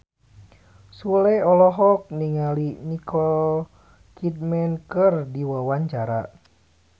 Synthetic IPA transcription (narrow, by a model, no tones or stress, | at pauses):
sulɛɔlɔɦɔk̚niŋalinikɔl | kʰit̪̚mɛnkərdiwawaɲt͡ʃaɾa̰